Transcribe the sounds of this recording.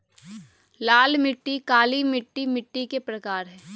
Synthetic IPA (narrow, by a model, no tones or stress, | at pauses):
laːlmɪʈːikaːlimɪʈːimɪʈːikepɾɐkaːɾɦɛː